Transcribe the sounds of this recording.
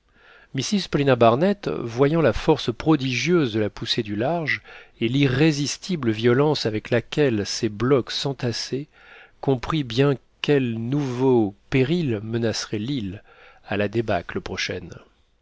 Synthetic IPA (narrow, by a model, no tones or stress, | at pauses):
misizpɔlinabaʁnɛt̪vwajɑ̃lafɔʁspχɔd̪iʒjøzd̪əlapused̪ylaʁʒeliʁezist̪ʰibləvjɔlɑ̃savɛklakʲɛlseblɔksɑ̃t̪ase | kɔ̃pχibjɛ̃kʲɛlnuvopeʁilmənasʁɛlil | alad̪ebakləpχɔʃɛ̰n